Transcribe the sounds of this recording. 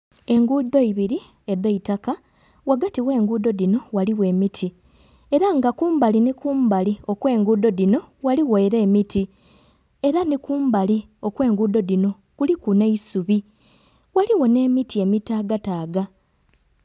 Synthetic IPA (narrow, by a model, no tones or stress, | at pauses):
e̞ŋɡuːd̪o̞iβiɾi | e̞d̪eitaka | waɡatiwe̞ːŋɡuːd̪o̞dino̞waliwe̞ːmitʰi | e̞ɾaŋɡakuːmbalinikuːmbalio̞kwe̞ːŋɡuːd̪o̞dino̞waliɣejɾe̞ːmiti | e̞ɾanikuːmbali | o̞kwe̞ːŋɡuːd̪o̞dino̞ | kulikune̞isuβi | waliwo̞ne̞ːmitie̞mitaːɡataːɡa